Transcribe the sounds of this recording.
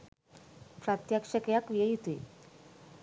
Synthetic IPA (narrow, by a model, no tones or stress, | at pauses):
pɾat̪jakʂəkjakʋjəjit̪u